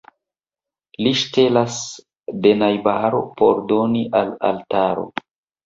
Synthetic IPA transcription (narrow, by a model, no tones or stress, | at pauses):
liʃte̞las | de̞najbaɾo̰pʰo̞ɾdo̞niʔala̰ltaɾo̞̰